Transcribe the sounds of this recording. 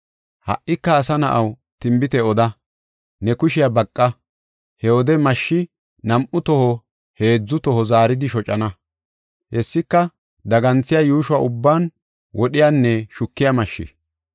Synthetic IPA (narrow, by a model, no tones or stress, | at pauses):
hɐ̰ʔːɪkːɐːsɐnɐ̰ʔɐw | t̪ɪmbɪt̪ɛɔd̪ɐ | nɛkʊʃɪjabɐkʼːɐ | hɛɔd̪ɛmɐʃːɪ | nɐmʔʊt̪ɔhɔ | he̞ːd͡zːʊt̪ɔhɔzaːɾɪd̪ɪʃɔt͡ʃʼɐnɐ | hɛsːɪkːɐ | d̪ɐɡɐnt͡sːɪjajuːʃʊwa̰ːʔʊbːaːn | wʔɔɗɪjaːnːɛʃʊkːɪjamɐʃːɪ̰